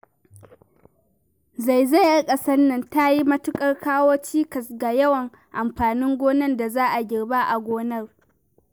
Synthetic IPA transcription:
za˨jza˦˨jʔa˦kʼɐ˦sɐ˦nːɐ˨nta˦ji˦mɐ˦tʊ˦kʼɐ˦rkaː˦woː˦t͡ʃiː˦kɐ˨sɡa˨jɐ˦wɐ˨ŋ | ʔa˨mɸaː˨nɪ˦ŋɡʷoː˦nɐ˦nda˨zaː˦ʔa˨ɡʲɪ˨ɽba˦ʔa˨ɡʷoː˦nɐ˦r

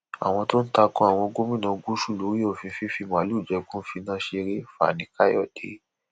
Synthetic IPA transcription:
a̰˨w̃ɔ̃˧to˦n̩˦ta˧kɔ̃˦a˦˨w̃ɔ̃˧ɡo˦mĩ˦˨nã˨ɡu˦ʃu˦˨lo˨˦ɾi˦o˦˨fĩ˧˦fĩ˦fi˧m˨ã˨lu˦˨d͡ʒɛ˧kũ˦fĩ˧nã˦ʃe˧ɾe˦fa̰˨nĩ˧˦ka˦jɔ̰˦˨dḛ˨˦

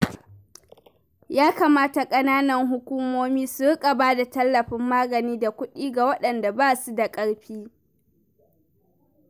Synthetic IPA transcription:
jaː˦kaː˨maː˦ta˨kʼɐ˦naː˦nɐ˨ŋɦʊ˦kʷuː˦moː˦miː˦su˨ɽɪ˦kʼa˨baː˦da˨tɐ˦lːɐ˨ɸɪ˦mːaː˦ɡɐ˨niː˦da˨kʷʊ˦ɗiː˦ɡa˨wɐ˦ɗɐ˨nda˨baː˦su˦da˨kʼɐ˦ɽɸiː˦

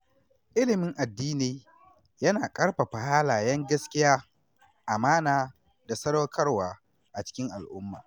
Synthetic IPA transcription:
ʔɪ˦lɪ˨mɪ˦ŋʔa˨dːiː˦ni˨ | jɐ˦naː˨kʼɐ˦ɽɸa˨ɸa˨haː˦laː˨jɐ˦ŋɡɐ˦skʲɪ˦jaː˦ | ʔa˨maː˦naː˨ | da˨sɐ˦ɽo˦kʰɐ˦rwaː˨ | ʔa˨t͡ʃɪ̥˦kʲɪ˦ŋʔa˨lʔʊ˦mːa̰ː˨

